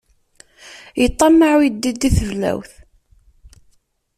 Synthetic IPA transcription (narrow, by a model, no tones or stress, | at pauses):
jət̪ˤːɑmːaʕid̪ːid̪ːiθəvlæ̰wθ